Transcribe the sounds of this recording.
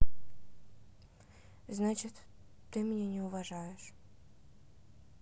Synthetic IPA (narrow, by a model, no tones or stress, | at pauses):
znat͡ɕɪt̪ː | ɨmʲɪnʲenʲɪʊvɐʐajɪʂ